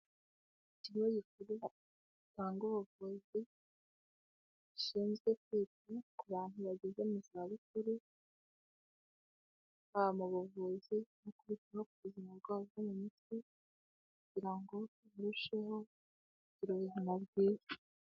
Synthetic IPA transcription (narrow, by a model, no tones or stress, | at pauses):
iciɾiwojikuɾi | itaːŋɡoβuvuzi | iʃiːnzɡe̞kwiːtikuβaːn̥uβaɟezemuzaβikuɾi | haβamuβuvuzinokuβitihok̚uβuzimaɾɡaːzemumitwi | kuɟiɾaŋɡo̞βuɾuʃe̞ɦo̞ | ɟiɾuβezinabɡiːɾḁ